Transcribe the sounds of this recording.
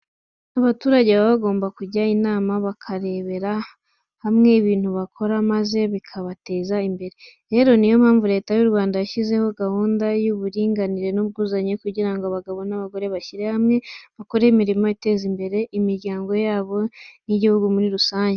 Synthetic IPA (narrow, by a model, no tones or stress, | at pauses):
naβatuːɾaɟeβaβaɡo̞ːmbakuɟainaːmaβakʰaɾe̞βe̞ɾa | hamŋe̞iβiːnhuβakʰo̞ɾamaze̞βikʰaβate̞ːzaimbe̞ɾe̞ | ɾe̞ːɾo̞nijo̞m̥haːɱvuɾe̞ːtajuɾuβaːndajaʃize̞ho̞ɡahuːndajuβuɾiːŋɡaniɾe̞nub̚ɡuːzaɲe̞kuɟiɾaŋɡoaβaɡaβo̞naβaɡo̞ɾe̞βaçiɾe̞hamŋe̞βako̞ɾe̞imiɾimo̞ite̞ːzimbe̞ɾe̞ʔimiɾɟaːŋɡo̞jaːβo̞niɟihuɡumuɾiɾusaːɲɟe